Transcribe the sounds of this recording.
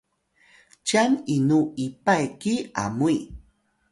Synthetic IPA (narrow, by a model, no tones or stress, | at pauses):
t͡ʃaninuipajkia̰mui